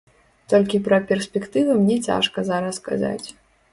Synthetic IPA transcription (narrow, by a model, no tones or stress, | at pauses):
t̪ɔlʲkʲipɾɐpʲɛrsʲpʲɛkt̪ɨvɨmnʲɛt͡sʲa̰ʂkɐzaɾɐska̰za̰t͡sʲ